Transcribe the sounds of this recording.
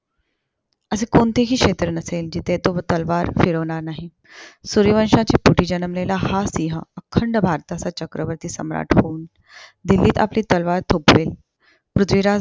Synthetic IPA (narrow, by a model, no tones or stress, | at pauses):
əsekoɳt̪ʰeɦiːkʂet̪ɾənəseld͡ʑit̪ʰet̪oʋət̪əlʋaɾfiɽəʋɳaɾnaɦi | suɾiʋənʂãt͡ɕeːpuʈiːd͡ʑənəmlelahasiɦəəkʰəɳɖəbʱaɾt̪at͡sat͡ɕəkɾəʋəɾt̪iːsəmɾa̰ʈʰhoun | d̪ilːiːt̪a̰pliːt̪əlʋaɾt̪ʰopʋeːl | pɾut̪ʰʋiɾa